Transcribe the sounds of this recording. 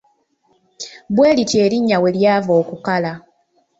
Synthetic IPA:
bwe̞ːlitje̞ːɾiɲːawe̞ljaːvo̞ːkukala

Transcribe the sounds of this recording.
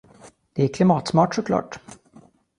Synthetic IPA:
d̪̥ɛæɾkʰlɪmɑːt̪smɑːʈʂɔkʰlɑ̰ːʈ

